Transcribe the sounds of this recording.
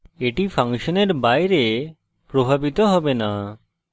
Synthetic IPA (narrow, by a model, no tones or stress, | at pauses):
eʈipʰaŋʃɔneɾbajɾe | pɾobʱabit̪ɔɦɔbena